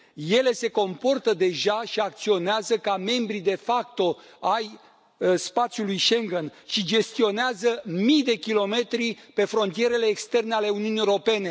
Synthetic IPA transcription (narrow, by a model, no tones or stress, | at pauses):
je̞le̞se̞ko̞mpo̞rt̪əd̪e̞ʒaʃiak̚t̪sio̞neazəkame̞mbɾid̪e̞fak̚t̪o̞ | aj | spat̪sjulujʃe̞ŋɡenʃid͡ʒe̞st̪io̞neazəmijd̪e̞kʲilo̞me̞t̪ɾipe̞fɾo̞nt̪ije̞ɾe̞le̞ːkst̪e̞rneale̞uniuniewoɾo̞pe̞ne̞